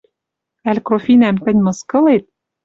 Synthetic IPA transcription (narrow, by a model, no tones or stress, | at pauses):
ælʲkɾofinæmt̪ɘ̆nʲmɤ̆skɤ̆let̪̚